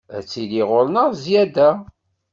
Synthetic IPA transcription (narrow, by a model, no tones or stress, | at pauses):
æ̰t͡sːiliʁolnəʁzjæd̪æ